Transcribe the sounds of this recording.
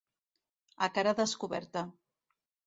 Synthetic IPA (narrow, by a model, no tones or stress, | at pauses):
a̰kaɾaðəskuβɛ̰ɾt̪a